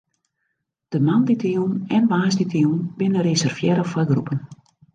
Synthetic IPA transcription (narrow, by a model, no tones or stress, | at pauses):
d̥əmanditiwnɛnʋaːsditiuwnbɪnəɾezɛrfjɛɾəfaɡrupən